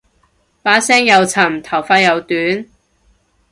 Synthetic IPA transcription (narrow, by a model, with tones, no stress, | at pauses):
paː˨˥sɛː˥ŋjɐ˨˧wt͡sʰɐ˨˩mt̪ʰɐ˨˩wfaː˧jɐ˨˧wt̪yː˨˥n